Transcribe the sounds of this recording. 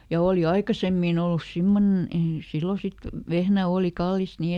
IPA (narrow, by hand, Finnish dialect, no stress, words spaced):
jɑ oːli ɑikɑsemːiˑn olːus simːonen ei silːo sit ʋehnæ oːli kɑlːist ni